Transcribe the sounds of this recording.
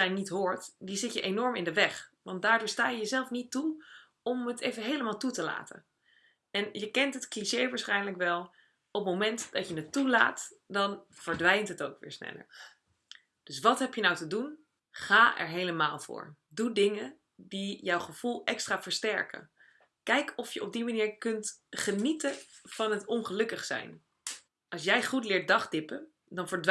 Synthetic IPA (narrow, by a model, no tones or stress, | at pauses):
ɛjnitɦʊːɹtdizɪtjəʔejnɔɹmɪndəʋɛχʋɑnt̚daːɹdʊːɹstaːjəjəzɛlˠfnitu | ɔmɦətejvəɦejləmaːlˠtutəla̰ːtə̰n | ɛnjəkɛntɦətkliʃejʋaːɹsχɛjnləkʋɛlˠ | ɔp̚mowmɛntd̥ɑtjənətːula̰ːtdɑnv̥əɹdʋɛjntɦətowkʋɪ̰ːɹsnɛ̰lə̰ɹ | d̥ɵsʋɑtɦɛpjənɑwtədun | χaːʔɛ̰ɹɦejləmaːlˠvʊ̰ːɹ | dudɪŋə | dijɑwχəv̥ulˠɛkstraːv̥əɹstɛ̰ɹkə̰ | kɛjkʰɔfjəʔɔb̚dimaniːɹkɵntχənitəv̥ɑnɦətɔnχəlɵkəχsɛ̰jn | ʔɑlˠsjɛjχutlɪːɹt̚dɑχdɪpə | dɑnvəɹd